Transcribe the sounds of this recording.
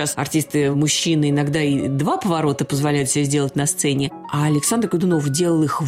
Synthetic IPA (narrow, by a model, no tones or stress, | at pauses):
asɐ̰rtʲist̪ɨmʊɕːinɨɪnɐɡd̪aid̪vapəvɐɾo̞t̪əpəzvɐlʲæjʊt̪sʲɪbʲazʲdʲelˠət̚ʲnɐst̪sɛnʲɪ | aɐlʲɪksand̪rɡəd̪ʊno̞fdʲelˠəlˠɨx